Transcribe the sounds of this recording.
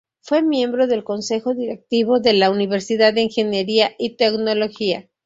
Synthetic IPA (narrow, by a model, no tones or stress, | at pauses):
fwe̞mje̞mbɾo̞ðe̞lko̞nse̞xo̞ðiɾe̞k̚t̪iβo̞ðe̞launiβe̞ɾsiðaðːeiŋxe̞nje̞ɾiaʔit̪e̞kno̞lo̞xia